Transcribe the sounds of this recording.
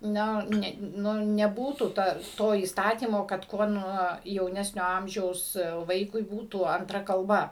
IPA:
ˈnʲoː ˈnʲɛ ˈnʊ nʲɛˈbuːtuː ˈtɐ ˈtoː iːsˈtɑːtʲiːmoː kɐt ˈkuɔ ˈnuɔ jɛʊˈnʲæːsʲnʲoː ˈɐmʲʒʲɛʊs ˈʋɐɪkʊɪ ˈbuːtuː ɐnˈtrɐ kɐlˠˈbɐ

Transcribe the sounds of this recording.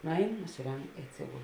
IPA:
ˈnʊˌɛɪn nʊsʲɪˈrʲɛŋk ɪ ɐtʲˈsʲɪɡʊlˠ

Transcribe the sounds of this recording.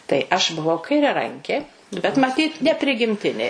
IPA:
tɐɪ ˈɐʃ bʊˈʋɐʊ kɐɪrʲɛˈrɐŋʲkʲeː bʲɛt mɐˈtʲiːt nʲɛpʲrʲɪɡʲɪmʲˈtʲɪnʲeː

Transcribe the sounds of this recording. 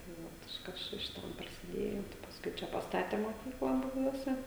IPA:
tɐɪ ˈʋoːt ɪʃ ˈkɐs t͡ʃʲɛ ʃʲɪˈtɐm prɐsʲɪˈdʲeːjoː tɐɪ pɐsˈkʊɪ ˈt͡ʃʲɛ pɐsˈtɑːtʲɛ moːˈkʲiːklˠɐ bʊˈbʲuɔsʲɛ

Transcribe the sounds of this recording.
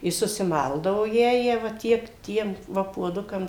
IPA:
ɪ sʊsʲɪˈmɐlˠdɐʋoː ˈjæːjæː ʋɐ ˈtʲiɛk ˈtʲiɛm ˈʋɐ puɔˈdʊkɐm

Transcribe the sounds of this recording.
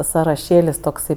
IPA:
sɐrɐˈʃʲeːlʲɪs toːkˈsɐɪ

